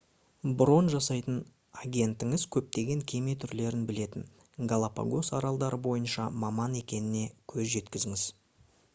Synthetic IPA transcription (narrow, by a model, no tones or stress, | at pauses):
bɾo̞nʒɑsɑjt̪ən | ɑɡʲe̞nt̪ɪŋɪzkʲʰɵp̚t̪e̞ɡʲe̞ŋkʲʰe̞me̞t̪ʰʏɾle̞ɾɪnbɪle̞t̪ɪn | ɡalˠapa̰ɡo̞sɑɾɑlˠd̪ɑɾəbo̞jənʃɑmɑmɑne̞kʲe̞nɪne̞kʲʰɵzʒe̞t̪kʲɪzɪŋɪz